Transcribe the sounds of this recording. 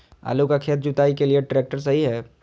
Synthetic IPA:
a̰ːlukakʰeːt̪̚d͡ʒʊt̪aːikelieʈɾeːk̚ʈəɾsɐɦiɦɛː

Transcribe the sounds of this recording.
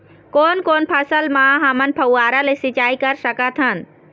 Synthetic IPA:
koːnkoːnpʰɐsəlmaːɦɐmɐnpʰɐwaːɾalesit͡ʃaːikɐɾsɐkat̪ʰɐn

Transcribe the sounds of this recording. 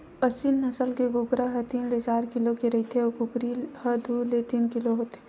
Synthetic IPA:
əsinːɐsəlkeɡʊɡɾaɦɐt̪iːnlet͡ʃaːɾkɪlokeɾɐɦit̪ʰeɔkʊkɾihɐd̪ʱulet̪iːnkɪloɦoːt̪eɛ

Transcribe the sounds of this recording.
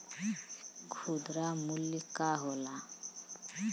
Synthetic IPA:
kʰud̪ɾamulːikaɦola

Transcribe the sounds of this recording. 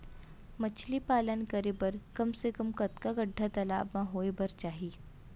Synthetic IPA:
mɐt͡ʃʰlipaːlənkəɾebɐɾkɐmsekɐmkɐt̪kaɡɐɖʱːat̪ɐla̰ːbmãɦoːebɐɾt͡ʃaːɦiː

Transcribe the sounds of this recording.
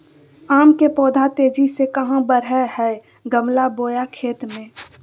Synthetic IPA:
aːmkepɔːd̪ʱat̪eːd͡ʒisekɐɦãbəɾɛɦɛ | ɡəmlaboːjakʰeːt̪mẽː

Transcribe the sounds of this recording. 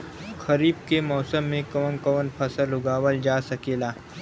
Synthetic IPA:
xʰɐɾiːbkemɔːsəmːẽkɔːnkəːnpʰɐsəlʊɡaːwəld͡ʒaːsɐkeːlaː

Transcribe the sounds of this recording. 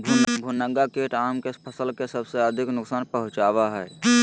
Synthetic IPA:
bʱunəɡakeːʈaːmkepʰəsəlkesəbseəd̪ʱɪknʊksaːnpəɦʊ̃t͡ʃaːʋaɦɛː

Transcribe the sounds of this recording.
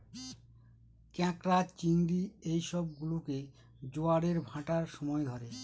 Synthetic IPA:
kɛ̃kɾat͡ɕinɡɾiejʃɔb̚ɡuloke | d͡ʑoaɽeɾbʱãʈaɾʃɔmɔed̪ʱɔɾe

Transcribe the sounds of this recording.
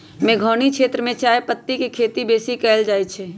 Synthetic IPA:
mẽːɡʱoːnikʃeːt̪ɾəmẽt͡ʃaːepət̪ːikikʰeːt̪ibeːsikɛːld͡ʒaːit͡ʃʰe

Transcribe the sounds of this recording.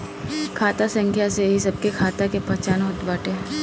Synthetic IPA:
kʰaːt̪asɐ̃ŋkʰjaseɦisɐb̚kekʰaːt̪akepɐɦt͡ʃaːnoɦʊd̪ʋaːʈe

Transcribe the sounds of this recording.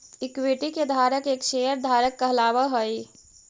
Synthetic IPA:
ikweʈiked̪ʱaɾəkekʃejəɾd̪ʱaɾəkːəɦlabəɦəj

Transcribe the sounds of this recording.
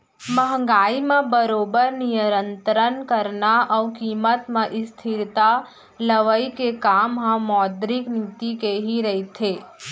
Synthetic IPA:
məɦŋɡaːimẽbəɾoːbəɾnijəɾənt̪ɾənkəɾnaʔəwkiːmət̪mẽʔɪst̪ʰɪɾt̪a | ləʋəikekamɦə̃mɔːd̪ɾɪknit̪ikeɦiɾəɦit̪ʰe

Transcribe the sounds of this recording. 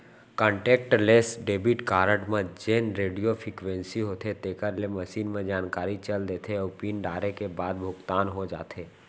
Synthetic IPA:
kə̃ːɳʈeːk̚ʈleːsɖeːbiʈkaːɾə̃ʈmẽd͡ʒeːnɾeːɖijofʰɾikwʋẽnsiɦoːt̪ʰet̪eːkəɾlemɐʃiːnmẽd͡ʒaːnkaːɾit͡ʃɐld̪eːt̪ʰeoːpiːnɖaːɾekebaːd̪bʱʊɡt̪aːnɦod͡ʒa̰ːt̪ʰeː

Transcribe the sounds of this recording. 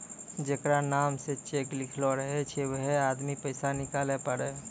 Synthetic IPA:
d͡ʒekɾanaːmset͡ʃeːklɪkʰloɾəɦet͡ʃʰewəɦeaːd̪mipəɪsanɪkaːlepəɽe

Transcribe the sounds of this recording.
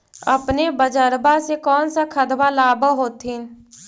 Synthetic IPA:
ə̰pnebəd͡ʒəɾbasekɔːnsakʰəd̪ʋalaːbəɦoːt̪ɦi

